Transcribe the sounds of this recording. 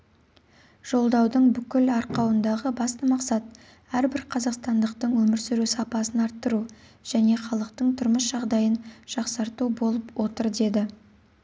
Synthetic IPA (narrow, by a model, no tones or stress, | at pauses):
ʒ̥o̞lˠd̪ɑwd̪əɴbʏkʲɪlɑɾqɑwənd̪ɑʁəbɑst̪əmɑqsɑt̪̚ | æɾbɪɾqʰɑzɑqst̪ɑnd̪əqt̪əɴwɵmɪɾsʏɾusɑpɑsənɑɾt̪ːəɾu | ʒ̥æne̞χɑlˠəqt̪əɴt̪ʰʊɾməsʒɑʁd̪ɑjənʒ̥ɑqsɑɾt̪ubo̞lˠəpwo̞t̪əɾd̪e̞d̪ɪ